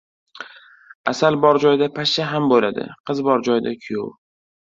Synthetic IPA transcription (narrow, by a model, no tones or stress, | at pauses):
asalbɒɾd͡ʒɒjd̪apʰaʃaɦambolad̪ɪ̰qʰɨzbɒɾd͡ʒɒjd̪akʲʰʊjo